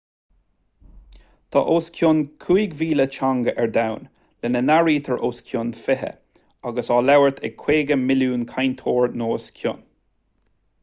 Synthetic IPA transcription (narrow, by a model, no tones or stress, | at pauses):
t̪ʰɑ̰ːʔoːskʰjʊnkʰujɡviːlət͡ʃʰaŋɡəʔɛɹd̪awn | lɛnənaɹiːt̪ʰəɹʔoːskʰjʊnfɪɦə̰ | aɡəsɑːlawəɹt̪ʰɛ̰ɡ̚kʰːweːɡəmɪluːnkʰajnt̪ʰoːɹnoːskʰjʊ̰n